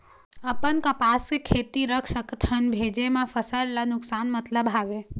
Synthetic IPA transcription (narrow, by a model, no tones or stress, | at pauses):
əpənkəpaskekʰet̪iɾəkʰsəkt̪ʰənbʱed͡ʒemãfəsəɽlanʊksanmət̪ləbɦaʋe